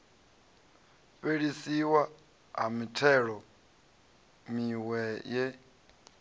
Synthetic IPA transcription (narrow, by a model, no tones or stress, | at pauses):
ɸeɺisiwa | ɦa̰mitʰɛɺɔ | miwɛjɛ